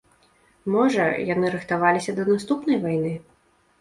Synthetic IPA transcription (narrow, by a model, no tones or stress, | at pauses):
mɔʐɐ̰janɨɾɨxt̪avalʲisʲɐd̪ɐnast̪upn̪ɐjvajnɨ